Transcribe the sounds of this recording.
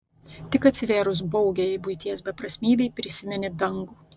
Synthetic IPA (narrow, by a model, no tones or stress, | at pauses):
t̪ʲɪkɐt̪ʲsʲɪʋʲeːɾʊs̬bɔʊɡʲɛɪbʊɪt̪ʲiɛs̬bʲɛpɾɐsʲmʲiːbʲɛɪpʲɾʲɪsʲɪmʲɛnʲɪd̪ɐŋɡuː